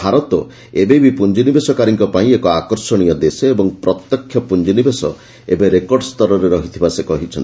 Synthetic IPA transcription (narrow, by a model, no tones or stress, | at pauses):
bʱaɾɔt̪ɔ | ebebipund͡ʒinibesɔkaɾiŋkɔpaĩekɔakɔɾsɔɽ̃ijɔd̪esɔebɔŋpɾɔt̪jɔkʰːjɔpund͡ʒinibesɔ | ebeɾekɔɾɖɔst̪ɔɾɔɾeɾɔɦit̪ʰibasekɔɦit͡ʃʰɔni